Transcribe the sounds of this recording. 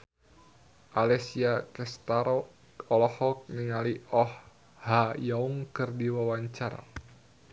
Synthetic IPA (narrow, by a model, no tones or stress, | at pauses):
ʔalɛsiakɛst̪aɾɔ | ɔlɔhɔk̚niŋaliɔh | hajauŋkɨrdiwawaɲt͡ʃaɾa̰